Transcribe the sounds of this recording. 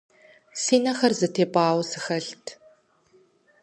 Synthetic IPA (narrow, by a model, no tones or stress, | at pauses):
siːnɐxɐrzɨtʰeːpʼaːwsɨxɐɬtʰ